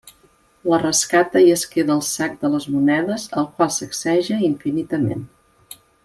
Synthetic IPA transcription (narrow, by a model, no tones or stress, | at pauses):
lərəskat̪əjəskeðəːlˠsak̚d̪ələzmunɛðəzəlˠkwalˠsəksɛʒəiɱfinit̪əmḛn